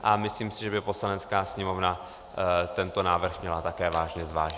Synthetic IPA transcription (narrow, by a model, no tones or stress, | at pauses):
ʔamɪsliːmsɪʒɛbɪpo̞slanɛt͡skaːsɲɛmo̞vna | t̪ɛnt̪o̞naːvr̩xmɲɛlat̪akɛːvaːʒɲɛzvaːʒɪ